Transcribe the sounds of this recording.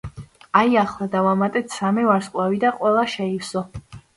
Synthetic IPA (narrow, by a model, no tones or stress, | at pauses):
aiaχlˠad̪avamat̪ʼɛt̪ʰsamɛvaɾskʼlˠavid̪aqʼwɛlˠaʃɛiwsɔ